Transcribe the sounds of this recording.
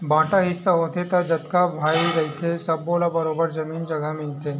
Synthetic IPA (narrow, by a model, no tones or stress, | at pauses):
bãːʈaɦɪsːaɦoːt̪ʰet̪ɐd͡ʒɐt̪kabʱaːiɾɐɦit̪ʰesɐbːoːlabɐɾoːbəɾd͡ʒɐmiːnd͡ʒɐɡəmɪlt̪ʰeː